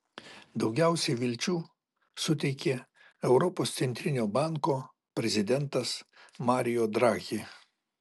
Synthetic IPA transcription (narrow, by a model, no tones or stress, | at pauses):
d̪ɐʊɡʲɛˑʊsʲɛɪʋʲɪlʲt͡ʃʲuː | sʊt̪ʲɛɪkʲe | ɛʊɾɔpoːst̪sʲɛnʲt̪ʲɾʲɪnʲoːbɑŋkoː | pʲɾʲɛzʲɪd̪ʲɛnˑt̪ɐsmɑːɾʲɪjoːd̪ɾɑːɣʲɪ